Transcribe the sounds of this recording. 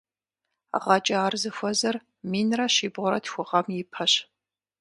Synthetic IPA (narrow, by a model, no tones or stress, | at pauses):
ʁɐt͡ʃʼɐaːrzɨxʷɔzɐr | miːnrɐɕiːbʁʷʊɾɐ̰tʰxʷʊʁɐmjɪpʰɐɕ